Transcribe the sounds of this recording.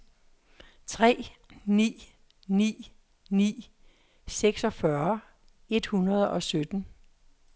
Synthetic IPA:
t͡sʰʁɛ̰ːnḭː | nḭː | nḭː | seɡ̥sɒ̽fɶɐ | e̝d̥hunɐð̞ˠɒ̽sød̥n̩

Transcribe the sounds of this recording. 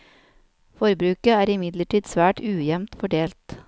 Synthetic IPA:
fɔɾbɾʉːkəæːɾɪmɪd̪ləʈʰiːd̪sʋæːʈʰʉːjɛmt̪fɔɖeːlt̪

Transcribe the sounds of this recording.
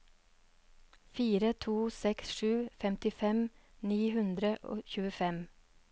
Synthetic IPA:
fiːɾət̪ʰuːsɛksʃʉːfɛmt̪ɪfɛmniːhʉnd̪ɾəʔo̰ːçʉːəfɛm

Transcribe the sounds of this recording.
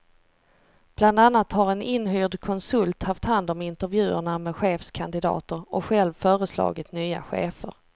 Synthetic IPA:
b̥land̪anːat̪haɾɛnɪnhyːɖkʰɔnsɵlt̪haft̪hand̪ɔmɪnt̪əɾvjʉ̟ːə̰ɳamɛɧeːfskʰand̪ɪd̪ɑ̰ːt̪əɾɔkɧɛlvfœːɾəslɑ̰ːɡɪt̪nyːa̰ɧḛːfə̰ɾ

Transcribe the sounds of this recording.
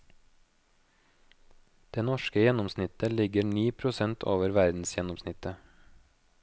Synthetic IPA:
d̪̥eːnɔʃkəjɛnɔmsnɪt̪əlɪɡəɳiːpʰɾʊsɛnt̪ʰo̰ːʋəɾʋæɾd̪n̩sjɛnɔmsnɪt̪ə

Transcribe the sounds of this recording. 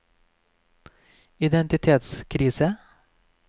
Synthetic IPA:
ɪd̪ɛnt̪ɪt̪ʰeːt̪skʰɾiːsə

